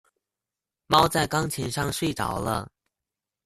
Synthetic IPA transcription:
mɑ˥ʊt͡sa˥˩ɪkɑ˥ŋt͡ɕʰi˧˥nʂɑ˥˧ŋʂwe˥˩ɪʈ͡ʂɑ̰˨˥ʊlə̰˧

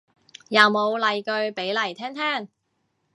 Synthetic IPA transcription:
jɐ˨wmo˨˧wlɐ˨˧jkɵ˧ɥpe˨˥jlɐ˨˩jt̪ʰɛː˥ŋt̪ʰɛː˥˩ŋ

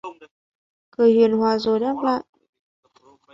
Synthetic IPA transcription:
kɨ˨˩əjhwḭ˨ənhwaː˨˩zo˨˩jɗɛ˦˥p̚la̰ː˧˨jʔ

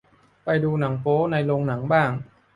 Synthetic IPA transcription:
pa˧jduː˧na˩˦ŋfoː˦˥na˧jloː˧ŋna˩˦ŋbaː˥˩ŋ

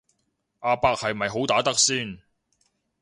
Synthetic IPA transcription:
ʔaː˧paː˧k̚hɐ˨jmɐ˨jɦo˨˥wt̪aː˨˥t̪ɐ˥k̚siː˥˩n

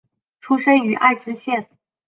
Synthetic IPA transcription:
ʈ͡ʂʰu˥ʂə˥ny˧˥ʔa̰˥˩ɪʈ͡ʂɻ̩˥ɕjɛ˥˩n

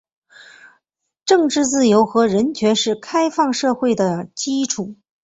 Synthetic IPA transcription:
ʈ͡ʂɤ˥˧ŋʈ͡ʂɻ̩˥˧t͡sɹ̩˥˩jo˧˥ʊxɤ˧˥ɻə˧˥nt͡ɕʰɥɛ˧˥nʂɻ̩˥˩kʰa˥ɪfɑ˥˧ŋʂɤ˥˧xwe˥˩ɪd̪ə˩t͡ɕi˥ʈ͡ʂʰu˨˩˦

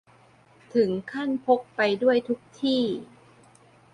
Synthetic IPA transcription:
t̪ʰɯ˩˦ŋkʰa˥˩npʰo˦˥k̚pa˧jdu˥˩əjt̪ʰu˦˥k̚t̪ʰiː˥˩

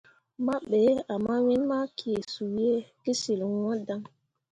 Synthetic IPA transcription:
ma˦ɓe˨˦a˨ma˦wĩ˦nma˦kʰi˨e˨su˨˦e˦ki˦si˨lwã˦da˦ŋ

